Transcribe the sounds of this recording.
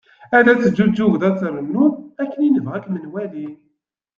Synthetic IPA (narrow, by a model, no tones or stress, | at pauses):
ælæt͡sːəd͡ʒːud͡ʒːuɣðæt͡sːɾənːuækːəninəvʁækmənwælin